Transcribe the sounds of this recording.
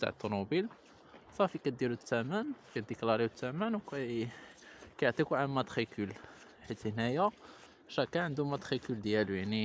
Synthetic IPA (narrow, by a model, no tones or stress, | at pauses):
t̪a̰ʕət̪ˤːunubil | fæfikæt̪̚d̪iɾut̪ːæmænkæd̪əklɑɾˤiwt̪ːæmænwkæ | kæjəʕt̪ˤikuʕalmæt̪ˤxikʰəl | ħit̪hnæjæ | ʃækæʕənd̪umæt̪xikəld̪jælujaʕni